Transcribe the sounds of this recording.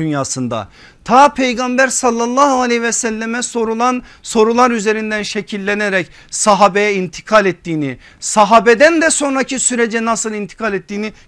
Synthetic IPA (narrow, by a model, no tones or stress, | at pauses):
ynjaːsɯnd̪a̰ | t̪ʰaːpʰe̞jɡambæɾsalˠːalˠːaːhualʲɛhvɛsælʲːemɛsoɾuan | so̞ɾulˠaɾyze̞ɾind̪ænʃecʰilʲːeneɾɛc | saɦaːbejɛint̪ʰi̥kʰalʲɛt̪ːiːni | saɦaːbed̪ænd̪ɛso̞nɾacʰisyɾed͡ʒɛnasɯlˠint̪ʰi̥kʰalʲɛt̪ːiːni